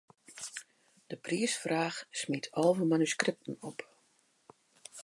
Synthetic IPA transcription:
d̥əpriəsfraːxsmitʰɔlˠvəmanyskrɪp̚tən̩ɔp

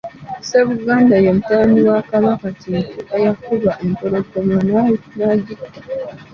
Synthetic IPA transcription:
se̞βuɡaːndajomutaβaniwakaβakatituʔejakuβaʔemtoɾo̞ɡomananaɟitːi̥

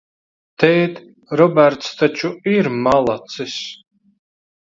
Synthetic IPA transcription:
t̪ʰɛjt̪ | rɔbɛrt̪st̪ʰat͡ʃʰuiɾmalˠat͡sʰɨs

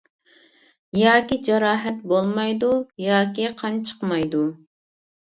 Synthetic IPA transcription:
jɑːkʲid͡ʒɑɾɑːɦɛt̪bolˠmɑjd̪ujɑːkʲiqʰɑnt͡ʃʰə̥qmɑjd̪u

